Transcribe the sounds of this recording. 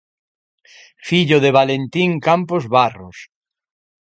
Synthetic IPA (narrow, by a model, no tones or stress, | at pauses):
fiʎoðeβ̞alent̪iŋkampozβaros